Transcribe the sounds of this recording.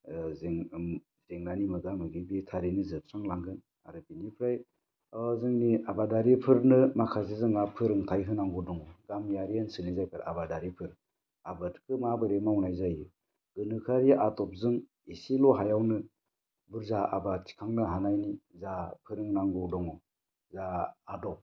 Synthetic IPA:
zeŋ | zeŋnanimɯɡamɯɡibitʰaɾinizɯp̚ʰɾaŋlaŋɡɯn | a̰ɾɯbinipʰɾaj | aazɯŋniabadaɾipʰɯɾnɯmakʰazizɯŋapʰɯɾɯŋtʰajɦɯnaŋɡɔdɔŋɔɡamjaɾiansɯnizajkʰaɾabadaɾipʰɯɾ | abɯtkʰɯmabɯɾemaunajzajɯ | ɡ̥ɯnɯkʰaɾijaʔatɔp̚zɯŋ | isilɔɦajawnɯ | buɾzaa̰batʰi̥kʰaŋnɯɦanajnizapʰɯɾɯŋnaŋɡɔdɔŋɔ | zaːdɔp̚

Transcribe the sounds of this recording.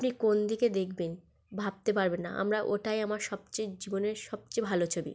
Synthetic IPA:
apnikond̪ʱiked̪ekʰben | bʱab̚t̪epaɾbenːa̰ʔa̰mɾaʔoʈajamaɾʃɔb̚t͡ɕejd͡ʑiboneɾʃɔb̚t͡ɕejbʱalot͡ɕʰobḭ

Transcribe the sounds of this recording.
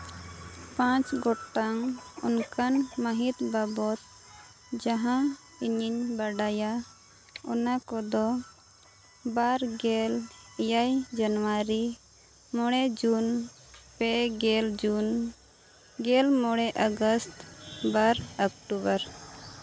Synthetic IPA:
pãt͡ʃɡɔʈaŋṵnkanməɦit̪babɔt̪̚ | d͡ʒaɦã | iɲiɲbaɖaja | ɔ̰nakɔd̪ɔ | baɾɡelijajd͡ʒənwaɾi | mɔɽ̃ɛd͡ʒun | pɛɡɛld͡ʒun | ɡɛlmɔɽ̃ɛʔəɡəst̪baɾəkʈubəɾ

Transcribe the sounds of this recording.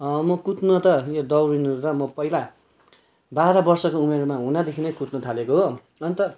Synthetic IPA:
mʌkut̪nʌt̪ʌjod̪ʌwɾinuuɾʌmʌpʌɦila | baɾʌbʌrsʌkoumeɾmaɦũnad̪ekʰinʌjkut̪nʌt̪ʰalekoɦo | ʌnit̪ʌ

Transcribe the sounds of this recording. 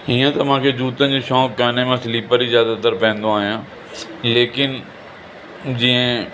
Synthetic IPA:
ɦiːãt̪ɐmãːkʰed͡ʒuːt̪ə̃nd͡ʑiːʃɔːkːaːnemãːsɪliːpəɾizjaːd̪ad̪əɾpɛ̃ːnd̪õaːɦjãː | leːkɪn | d͡ʑiẽ

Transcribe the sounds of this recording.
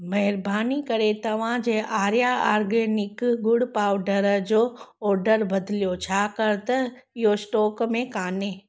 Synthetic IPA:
mɐɦɪɾbaːnikɐɾet̪ɐʋ̤ãd͡ʑeːʔaːɾjaaːɾɡeːnɪkɡʊɽpaːʋɖəɾəd͡ʑoːɔːɾɖəɾbɐd̪ʱlijot͡ɕʰaːkɐɾt̪ɐ | ɪɦosʈɔːkmẽkaːneː

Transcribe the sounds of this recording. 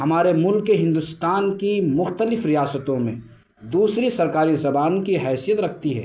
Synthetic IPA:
ɦɐmaːɾemʊlkːeɦɪ̃nd̪ʊst̪aːnkimʊxt̪əlɪfɾijaːsət̪õmḛ̃ | d̪uːsɾisɐɾkaːɾizɐbaːnkiɦɛːsijət̪ɾɐkʰt̪iɦɛ̰ː

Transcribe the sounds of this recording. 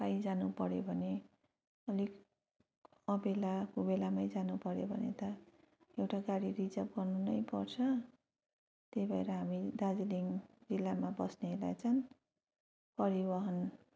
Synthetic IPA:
pajd͡zanupʌɾjobʱʌne | ʌlik | ʌbelakobelamajd͡zanupʌɾjobʱʌ̰nḛt̪ʌ | ewʈaɡaɽirit͡sʌp̚ɡʌrnunʌjpʌrt͡sʰʌ | t̪ebʱʌeɾʌɦamid̪ad͡ziliŋd͡zilːamabʌsnelat͡sʰʌn | pʌɾibʌɦʌn

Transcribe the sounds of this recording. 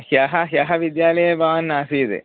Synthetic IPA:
hjɐɦɐɦjɐɦɐʋid̪jaːlɐjɐbʱaʋɐnːaːsid̪ḛ

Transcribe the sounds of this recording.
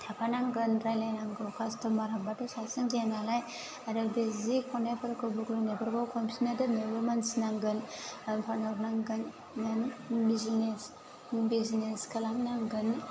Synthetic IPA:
tʰapʰanaŋɡɯnɾajlajnaŋɡɯwkʰastʰɯmaɾabatɯsasɯŋɡianalaj | adɯbezikʰɔnepʰɯɾkɯbuɡlɔnebaɾɡawkʰɔmʰinadɯnebɯmansinaŋɡɯnpʰanɔknaŋɡɯnː | ɯnbizines | bizineskʰɯlamnaŋɡɯn

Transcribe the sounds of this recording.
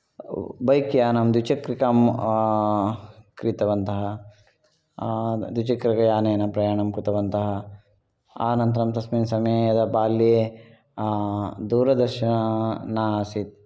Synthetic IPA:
bɐjkjaːnɐmd̪ʋit͡ʃɐkɾikaːm | kɾit̪ɐʋɐnt̪ɐɦɐ | d̪ʋit͡ʃɐkɾɐkɐjaːneːnɐpɾɐjaːɳɐmkɾut̪ɐʋɐnt̪ɐɦɐ | aːnɐnt̪ɐɾɐmt̪ɐsmiːnsɐmjeːjɐd̪ɐbaːljeː | d̪uːɾɐd̪ɐɾʃɐnɐnaːsit̪̚

